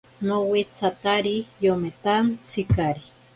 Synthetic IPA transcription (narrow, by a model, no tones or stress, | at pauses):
nowit͡sʰat̪aɾijomet̪ant͡sʰikaɾi